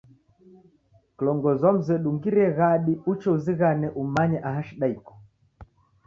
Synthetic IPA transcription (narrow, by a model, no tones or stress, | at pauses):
klɔŋɡɔzam̩zɛɗuŋɡiɾɛɣaɗiut͡ʃɛuziɣanɛʔumaɲɛʔaɦaʃiɗaikɔ̥